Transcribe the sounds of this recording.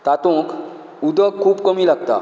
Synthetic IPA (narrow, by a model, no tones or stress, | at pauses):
t̪at̪õkʰ | ud̪əkʰːuːbkəmiːlaɡt̪a̰